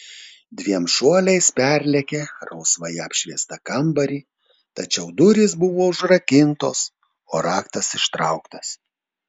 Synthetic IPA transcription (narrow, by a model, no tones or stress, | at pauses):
d̪ʲʋʲiɛmʃuɔlʲɛɪspʲæɾʲlʲɛkʲeːɾɐʊsʋɐjɛɐpʲʃʲʋʲiɛst̪ɐkɐmbɐɾʲiː | t̪ɐt͡ʃʲɛʊd̪ʊɾʲiːsbʊʋoːʊʒɾɐkʲɪnt̪o̰ːs | oːɾɑːkt̪ɐsɪʃt̪ɾɐʊkt̪ɐs